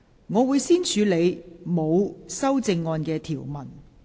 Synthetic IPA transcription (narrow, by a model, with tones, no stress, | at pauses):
ŋɔː˨˧wu˨˧jsiː˥nt͡ʃʰyː˨˧le˨˧jmo˨˧wsɐ˥wt͡sɪ˧ŋːɔː˧nkɛː˧t̪ʰiː˨˩wmɐ˨˩n